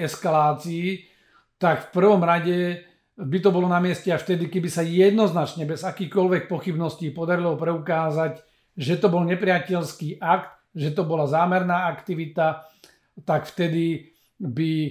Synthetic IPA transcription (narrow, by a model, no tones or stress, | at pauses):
ɛskalaːt͡sii | t̪akfpr̩ʋɔmɾaɟɛ | bit̪ɔbɔlɔnamɪɛscɛaft̪ɛd̪ikɛbisajɛd̪nɔznat͡ʃɲɛbɛzakiːxkɔlʋɛk̚pɔxibnɔsciːpɔd̪aɾilɔpɾɛukaːzac | ʒɛt̪ɔbɔlɲɛpɾɪacɛlskiːʔakt̪ | ʒɛt̪ɔbɔlazaːmɛɾnaːakt̪iʋit̪a | t̪akft̪ɛd̪i | bi